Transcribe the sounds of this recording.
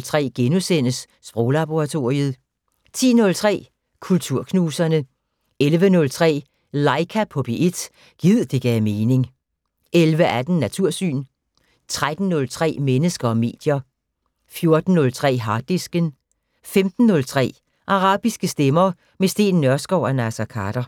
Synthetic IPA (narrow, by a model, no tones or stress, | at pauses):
lt͡sʰʁɛ̰ːɡ̥enusen̰əsːb̥ʁɔːlɑb̥oʁɑ̈t͡sʰo̝̰ːʁiəð̩ˠ | t͡sʰḭːnɔ̽lt͡sʰʁɛ̰ː | kʰult͡sʰuɐ̰kʰnuːsɐnə | elʋənɔ̽lt͡sʰʁɛ̰ː | lɑ̈ɪkʰæpʰɔb̥iʔe̝d̥ | ɡ̥ið̞̰̩ˠd̥e̝ɡ̥ɛːme̝ːne̝ŋ | ʔelʋəʔæd̥n̩ːæt͡sʰuɐ̰sy̰ːn | t͡sʰʁad̥n̩ːɔ̽lt͡sʰʁɛ̰ːmenəsɡ̥ɐɒ̽me̝̰ːd̥jɐ | fjo̝ɐd̥n̩ːɔ̽lt͡sʰʁɛ̰ːɦɑ̈ːd̥isɡ̥ən | femd̥n̩ːɔ̽lt͡sʰʁɛ̰ː | ʔɑ̈ʁɑ̰̈ːb̥isɡ̥əsd̥emɐ | mesd̥e̝̰ːnːɶɐsɡ̥ɒʊ̰ænæsækʰɑɾ̥ɐ